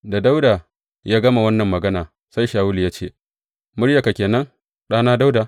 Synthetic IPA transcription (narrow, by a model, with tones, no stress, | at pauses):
da˨da˦wdaː˨ | jaː˦ɡɐ˦ma˨wɐ˦nːɐ˨mːɐ˨ɡɐ˦naː˨ | sa˦jʃaː˨wʊ˦li˨jaː˦t͡ʃḛː˦˨ | mʊ˦ɽja˨ka˨kʲeː˨nɐ˦ŋ | ɗaː˦naː˦da˦wdaː˨